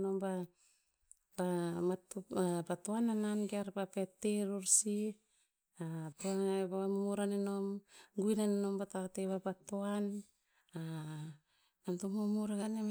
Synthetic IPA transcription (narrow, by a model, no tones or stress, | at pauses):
no̞mba | bamatapatoanananɡeaɾbapeteɾuɾsi | atoabaamumuɾanenomɡujnaneno̞mbatakteβapatoan | a | namtomomuɾaɡane